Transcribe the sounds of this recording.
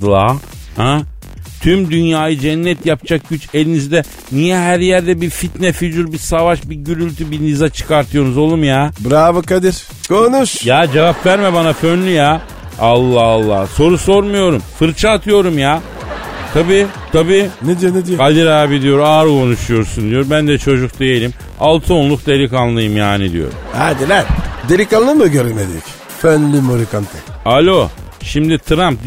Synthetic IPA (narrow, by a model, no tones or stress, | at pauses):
lˠa | hɛ̃ | t̪ʰymd̪ynjaːjɯd͡ʒɛnːɛt̪jap̚t͡ʃʰak̚ɟ̥yt͡ʃe̞lʲinizd̪ɛ | nijɛɦæɾjæɾd̪ɛbiɾfit̪nɛfyd͡ʒuɾbiɾsavaʃbiɟyɾylʲt̪ʰybinizat͡ʃʰɯ̥kaɾt̪ʰɯjo̞nuzo̞lˠumjaːbɾaːvɯkad̪iɾ̥ | kʰonuʃjaːd͡ʒevapvæɾmɛbanafønlʲyja | alˠːaalˠːa̰hso̞ɾuso̞ɾmujo̞ɾumfɯɾt͡ʃʰaːt̪ʰɯjo̞ɾumja | t̪ʰabiːt̪ʰabiːned̪ijoned̪ijoad̪iɾaːbid̪ijo̞ɾaːɾkʰo̞nuʃujo̞ɾsund̪ijo̞ɾbænd̪ɛt͡ʃʰo̞d͡ʒuk̚d̪ejelʲim | alˠt̪ʰɯonlˠuk̚d̪eɾikanlˠɯjɯmjaːnid̪ḭjo̞̰ɾṵmad̪ilæɾd̪eɾikanlˠɯmɯɟøɾemed̪ḭy̰c | fønlʲymoɾikant̪ʰɯalʲo̞ʃimd̪it̪ʰɾamp̪̚